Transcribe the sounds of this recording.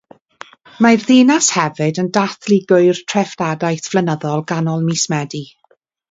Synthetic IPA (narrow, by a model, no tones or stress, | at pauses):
majrðeːnashɛvɨdəndaθliɡʊɨjrtʰrɛfdadajθv̥lənəðɔlˠɡanɔlˠmismɛdi